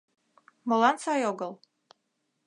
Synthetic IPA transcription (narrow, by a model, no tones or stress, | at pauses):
molansajoɡəlˠ